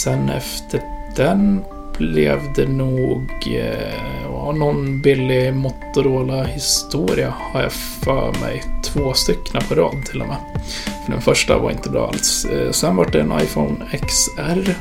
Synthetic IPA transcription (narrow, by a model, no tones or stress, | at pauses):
sɛnɛ̰ft̪ʰəɖ̥ɛn | b̥lɛʋd̪ɛnuːɡ | ɑnɔnbɪlːɪmʊt̪ːʊɾoːlɑhɪst̪uːɾɪəhɑɾjæ | fɑmæɪt̪ʰvoːst̪ʏkːənəpʰɔɾoːd̪t̪ʰɪlʔɔmɛ | fɔɖɛ̰nfœʂʈə̰ʋɑ̰ɾʔɪ̰nt̪əbɾɑ̰ːa̰lssɛnʋaʈ̚d̪ɛɛnʔa̰ɪfɔʊnɛksæɾ